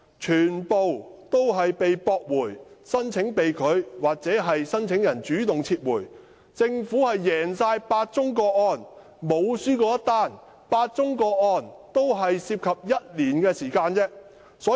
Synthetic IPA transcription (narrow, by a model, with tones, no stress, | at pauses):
t͡ʃʰyː˨˩npo˨wt̪o˥wɦɐ˨jpe˨jpɔː˧k̚wuː˨˩jsɐ˥nt͡sʰɪ˨˥ŋpe˨jkʰɵ˨˧ɥwaː˨k̚t͡sɛː˨˥ɦɐ˨jsɐ˥nt͡sʰɪ˨˥ŋjɐ˨˩nt͡ʃyː˨˥t̪ʊ˨ŋt͡sʰiː˧t̚wuː˨˩j | t͡sɪ˧ŋfuː˨˥hɐ˨jːɛː˨˩nsaː˧jpaː˧t̚t͡sʊ˥ŋkɔː˧ɔː˧n | mo˨˧wsyː˥kɔː˧jɐ˥t̪aː˥˩n | paː˧t̚t͡sʊ˥ŋkɔː˧k̚ɔː˧nt̪o˥wɦɐ˨jsiː˧p̚kʰɐ˨p̚jɐ˥t̚liː˨˩nkɛː˧siː˨˩kaː˧nt͡sɛː˥ | sɔː˨˥